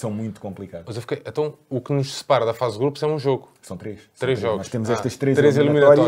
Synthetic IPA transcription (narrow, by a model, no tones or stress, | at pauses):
sɐ̃w̃mũj̃t̪u̥kõmplˠikaðɐzewfikɐjʔẽnt̪ɐ̃w̃uknuʃsɨ̥paɾɐðɐfazdɣɾupuzɛũʒoɣusɐ̃w̃t̪ɾeʃt̪ɾezʒɔɣunɔʃt̪emuzɛʃt̪ɐʃt̪ɾezt̪ɾezilˠiminɐɐɔɾt̪ɔ